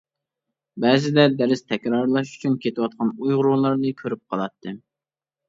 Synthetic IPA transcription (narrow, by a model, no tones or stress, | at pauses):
bɛːzɪd̪ɛd̪æɾɪst̪ʰɛkʲɾɑɾlˠɑʃ̬y̥t͡ʃʰynkʲet̪ɪwɑt̪̚qʰɑnujʁʊɾulˠɑɾnɨkʲʰøɾyp̚qʰɑlˠɑt̪ʰːɨ